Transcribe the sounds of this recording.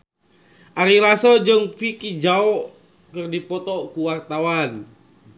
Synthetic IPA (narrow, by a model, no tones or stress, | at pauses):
ʔaɾilasɔd͡ʒɨŋfikid͡ʒaɔ | kɨrdipɔt̪ɔkuwart̪awan